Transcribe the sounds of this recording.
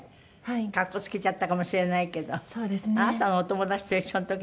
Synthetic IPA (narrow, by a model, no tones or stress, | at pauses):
hakakːo̞t͡sɨ̥kʲit͡ɕat̪ːakamo̞ɕiɾe̞naike̞d̪o̞soːd̪esnanat̪anoot̪o̞mo̞d̪at͡ɕi̥t̪oiɕːont̪okʲ